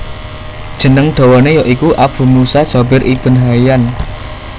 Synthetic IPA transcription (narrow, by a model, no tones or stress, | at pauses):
d̥ʒ̥ə̤nəŋɖ̪̥ɔ̤wɔnejɔʔikuʔab̥ṳmusad̥ʒ̥a̤bɪɾʔib̥ə̤nɦaijan